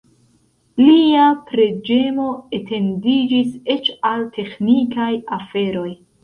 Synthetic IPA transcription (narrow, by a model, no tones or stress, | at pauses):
liapɾe̞d͡ʒe̞mo̞etʰe̞ndid͡ʒise̞t͡ʃaltʰe̞xnikajafe̞ɾo̞j